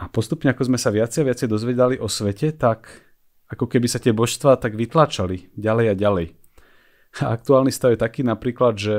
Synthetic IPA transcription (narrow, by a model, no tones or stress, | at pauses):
apɔst̪upɲɛakɔzmɛsaʋɪat͡sɛjaʋɪat͡sɛjd̪ɔzʋɛd̪aliʔɔsʋɛcɛt̪ak | akɔkɛbisat̪ɪɛbɔʃst̪ʋaːt̪aɡʋit̪laːt͡ʃaliɟalɛjaɟalɛj | a̰k̚t̪uaːlnist̪aʊjɛt̪akiːnapɾiːklad̪ʒɛ